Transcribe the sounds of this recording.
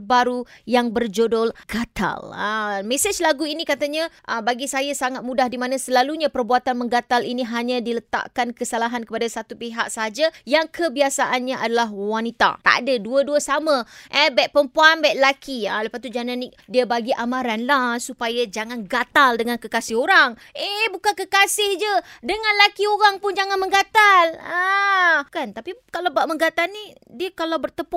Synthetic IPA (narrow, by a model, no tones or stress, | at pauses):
baɾujaŋbərd͡ʒodolɡ̥at̪a̰ləmẽsed͡ʒlaɡuinikat̪aɲãʔəbaɡisajasaŋat̪̚mũdahdimãnãsəlaluɲãpərbuat̪anməŋɡat̪alʔiniɦaɲãdilət̪a̰ʔkankəsalaɦankəpadasat̪upiɦa̰ʔsəɦad͡ʒajaŋkʰəbiasaʔanɲãʔadalaɦwanit̪a̰t̪a̰ʔdəduəduəsamə̃ʔɛbɛʔ̚pəmpuanbaʔlakʰia̰ləpat̪ud͡ʒananɪk̚diabaɡiʔamãɾanlasupajad͡ʒaŋanɡat̪aldəŋankəkasɪhoɾaŋəbukankəkasɪhd͡ʒədəŋãnlakioɾaŋpʊnd͡ʒaŋanmə̃ŋɡat̪ala | kant̪apikalabaʔməŋɡat̪alni | diəkalawbərt̪əpʊ